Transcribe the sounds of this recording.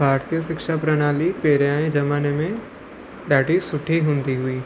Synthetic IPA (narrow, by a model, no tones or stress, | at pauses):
bʱaːɾt̪ijəʃɪkʃapɾɐñaːlipeːɾjãẽd͡ʒɐmaːnemẽ | ɖaːʈisʊʈʰiɦʊ̃ːnd̪iɦʊiː